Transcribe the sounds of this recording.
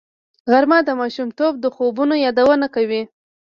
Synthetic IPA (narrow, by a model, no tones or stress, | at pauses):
ɣaɾmɑd̪əmɑʃumt̪ob̚d̪əxobunojɑd̪awənakawi